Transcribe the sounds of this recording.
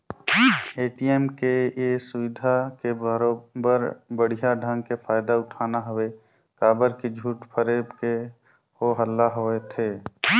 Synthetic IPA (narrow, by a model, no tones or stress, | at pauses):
eːʈiemkejesʊʋɪd̪ʱakeəɾobəɾbəɽ̤ijaɖʱə̃ŋɡ̚kepʰaːjd̪aʊʈʰaːnaɦəwe | kaːbəɾked͡ʒʱuːʈpʰəɾeːbke | oɦəlːaɦoet̪ʰeː